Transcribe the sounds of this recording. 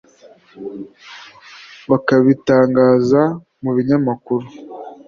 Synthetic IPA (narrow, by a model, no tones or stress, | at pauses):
βakaβitaːŋɡaːza | muβiɲamakuɾu